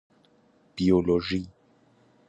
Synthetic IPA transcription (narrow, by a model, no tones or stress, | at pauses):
b̥ioloʒi